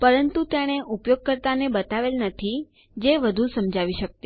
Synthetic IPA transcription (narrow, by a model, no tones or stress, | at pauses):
pəɾənt̪ut̪jaɽ̃eʔupjoɡ̚kəɾt̪anebət̪aʋelnət̪ʰi | d͡ʒeʋəd̪ʱusəmd͡ʒʱaʋiʃək̚t̪i